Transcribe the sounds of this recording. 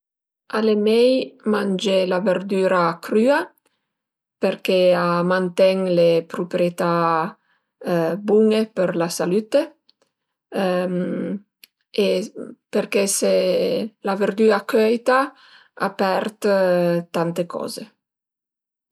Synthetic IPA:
alemɛjmand͡ʒelaveɾd̪yːɾakɾya | peɾkeamant̪ɛŋlepɾupɾjet̪a | buŋepeɾlasalyt̪e | m | epeɾkeselaveɾd̪yːakœjt̪a | apɛɾt̪t̪ant̪ekʰɔ̰ːze

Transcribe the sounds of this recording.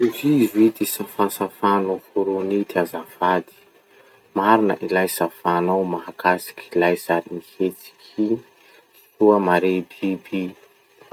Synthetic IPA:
evizuid̪isafansafanufuɾunit̪azavad̪i̥ | maɾinə̰ʔilajsafanowmaɦakasi̥kʲʰilajzad̪inihet͡si̥kʰi | t̪uəmaɾebibi

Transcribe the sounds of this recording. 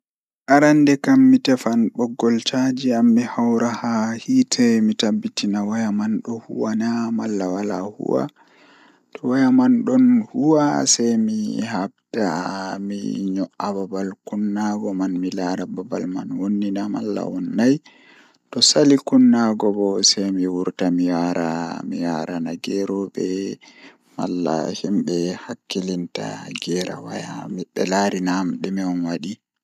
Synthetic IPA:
ʔaɾandɛkamːitɛfanɓɔɡːɔltad͡ʒiamːihawɾahahitʰɛmitabːitinawajamanɗɔhuwanamalːawala̰hṵwa̰ | tɔwajamanɗɔnhuwasɛjmihab̚damḭɲɔʔababalkunːaɡɔmanmilaɾababalmanwonːinama̰lːa̰wɔnːaj | tɔsalikunːaɡɔbɔsɛjmiwuɾtamijaɾʔamijaɾanaɡɛɾɔbɛ | ma̰lːa̰himɓɛhakːilinta̰ɡɛɾa̰wajamɛɗːɛlaɾinamɗɛmiɔnwaɗi

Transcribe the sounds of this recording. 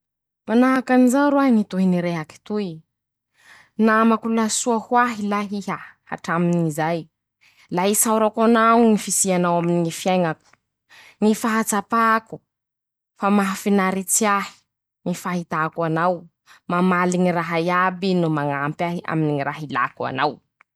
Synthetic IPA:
manaɦakanizaɾuaɦiŋit̪uɦiniɾeɦaki̥t̪ui | namakulasuahwaɦilaɦiɦaha̰ʈ͡ʂaminiŋizaj | laɦisawɾakanaŋifisianawaminiŋifjajŋaku̥ | ŋifaɦat͡sapaku̥ | famaɦafinaɾit͡siahi̥ | ŋifaɦit̪akuanaw | mamaliŋiraɦajabinumaŋampaɦia̰miniŋiɾaɦila̰kua̰naw

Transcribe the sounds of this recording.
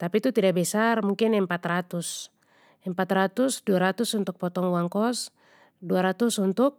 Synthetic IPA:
t̪apit̪ut̪idak̚bɛsarmuŋkinɛmpat̪rat̪us | ɛmpat̪rat̪usduaɾat̪usunt̪uk̚pɔt̪ɔŋwaŋkɔs | duaɾat̪usunt̪uk̚

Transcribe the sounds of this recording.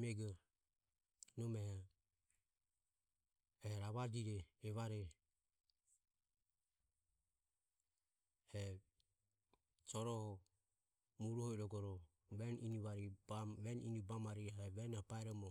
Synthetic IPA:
mɛɡɔ | nɔmɛha | ɛɾaβad͡ʒiɾɛːβaɾɛ | hɛ | sɔɾɔhɔ | muɾuhɔiɾɔɡɔɾɔ | βɛniniβaɾiβɛninibamaɾiaɛβɛnhɔpaɛɾɔmɔ

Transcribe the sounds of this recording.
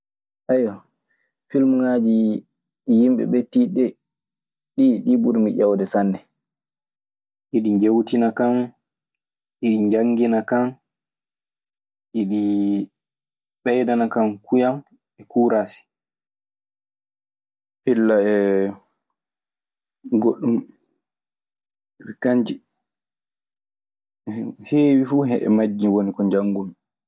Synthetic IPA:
ʔɛjɔ | filmuŋad͡ʒi | jimɓɛ̰ɓɛtiɗɛ | ɗiɗibuɾmiʄawdɛsanːɛ | ʔiɗiɲd͡ʒewtinakan | ʔiɗiɲd͡ʒaŋɡinakan | ʔiɗi | ɓɛjdanakankujam | ɛkuːɾasi̥ | ʔilːaɛ | ɡoɗːum | ɛɓɛkaɲd͡ʒi | heːwifuɦɛʔɛ̰mad͡ʒːiwonikɔɲd͡ʒaŋːɡumi

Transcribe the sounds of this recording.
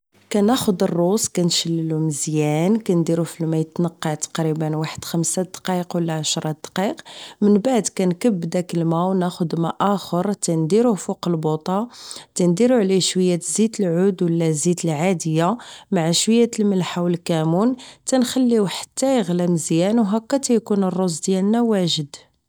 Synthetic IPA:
kænæxʊd̪ərˤːuskænʃəlːluməzjænkænd̪iɾufilmæjt̪nəqːɑt̪ɑ̥qɾibənwaħəd̪̥xəmsad̪qiqwəlːaʕaʃɾˤɑd̪̥qiqmənbaʕd̪kænkəbːd̪ækəlmæwnæxʊd̪mæʔæxəɾˤt̪ænd̪iɾufuqəlbot̪ˤɑt̪ænd̪iɾuʕliʃwəjːæt̪zit̪əlʕud̪wəlːæzit̪əlʕad̪əjːamaʕaʃwəjːæt̪əlməlħawəlkæmunt̪ænxælːiwħḁt̪ːæjəɣlæmzjænwɦækːæt̪æjkunərˤːozd̪jælnæwæʒəd̪

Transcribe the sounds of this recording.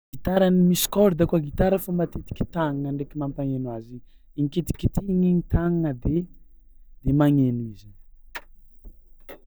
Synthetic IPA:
ɡit̪aɾanimisi̥kɔɾd̪akuaɡit̪aɾəfamat̪et̪i̥kʲi̥t̪aŋaŋəɳɖ͡ʐekʲimampaŋenwazi | iŋket̪i̥kʲit̪iiɲiɲit̪aŋaŋəd̪e | d̪̥emaŋenizi

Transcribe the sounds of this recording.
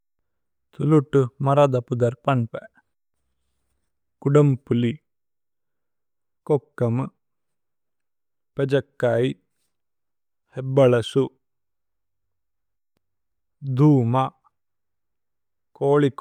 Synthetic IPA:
t̪ʰuluʈːumɐɾad̪ɐpud̪ɐɾpɐɳpɛ | kuɖɐmpuli | kokːɐm | ped͡ʒɐkːaːi | hebːɐɭɐsu | d̪uːma | koːɭik

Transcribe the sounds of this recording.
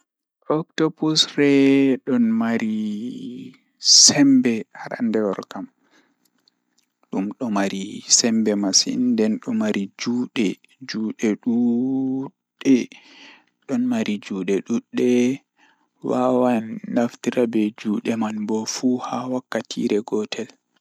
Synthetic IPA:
ʔɔktɔbusrɛɗɔnmaɾi | sɛmbɛhaɾa̰ndɛwɔɾkam | ɗumɗɔmaɾisɛmbɛmasḭndɛnɗɔmaɾid͡ʒuːɗɛ | d͡ʒuːɗɛɗu | ɗɛ | ɗɔnmaɾid͡ʒuːɗɛɗuɗːɛ | wawanːaftiɾabɛd͡ʒuːɗɛmanbɔfuhawakːatʰḭɾɛɡɔtʰɛl

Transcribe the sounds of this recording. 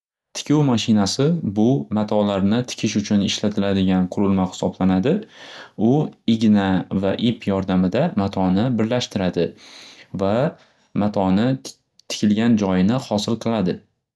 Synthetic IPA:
t̪ʰɪ̥kʲʰuwmaʃɪnasɪbʊmat̪ʰɒlaɾnɪt̪ʰɪ̥kʲʰɪʃʊt͡ʃʰʊnɪʃlat̪ʰɪlad̪ɪɡʲanqʰʊɾɪlmaχɪ̥sɒblanad̪ɪʊɪɡʲnavaʔipʰjɒɾd̪amɪd̪amat̪ʰɒnɪbɪɾlaʃt̪ɪɾad̪ɪ | va | mat̪ʰɒnɪ | t̪ʰɪ̥kʲʰɪlɡʲand͡ʒɒjɪnɪhɒsɪlˠqʰɨlˠad̪ɪ

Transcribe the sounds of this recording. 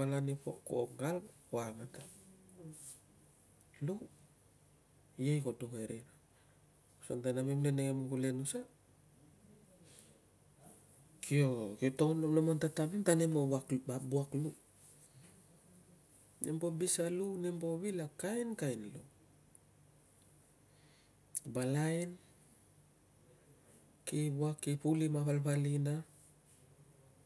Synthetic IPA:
alanipoko̰ɡal | oamata | low | jejkodoŋeɾeɾa | sontanamemleneŋemuɡulenusa | kʰiokitononomantatamemtanemoβakbabuaklu | nembobisalunemboβilakajnkajnlo̰ | balajn | kibuakːipulimaβalβalina

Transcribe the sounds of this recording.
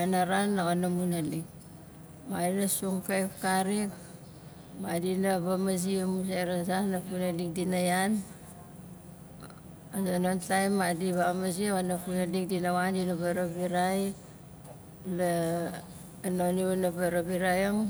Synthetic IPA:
anaɾanːaɣonamunalik | madinasuŋpajpkaɾik | madinaβamaz̬iemuseɾasanːapunadikdinajan | azanontajmːadiβamaziaɣanapunadikdinawandinabaɾobiɾaj | la | noniunabaɾoβiɾajaŋ

